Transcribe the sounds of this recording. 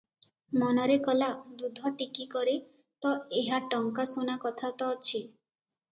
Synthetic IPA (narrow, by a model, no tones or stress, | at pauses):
mɔnɔɾekɔlad̪ud̪ʱɔʈikikɔɾe | t̪ɔeɦaʈɔŋkasonakɔt̪ʰat̪ɔt͡ʃʰi